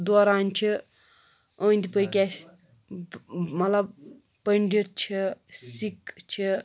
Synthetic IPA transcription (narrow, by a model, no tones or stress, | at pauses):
d̪ɔːɾaːnt͡ʃʰi | ə̃ːnd̪ipəjkʲasʲ | mɐt̪lɐb̚ | pəɳɖiɾt͡ʃʰisikt͡ʃʰi